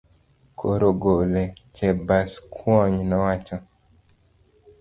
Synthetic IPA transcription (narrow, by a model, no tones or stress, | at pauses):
kʰoɾoɡolet͡ʃɛbaskʰwɔɲnɔwat͡ʃɔ